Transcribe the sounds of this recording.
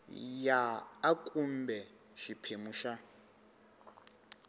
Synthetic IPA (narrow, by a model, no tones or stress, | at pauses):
jaːkʼumbɛ | ʃipʰemuʃa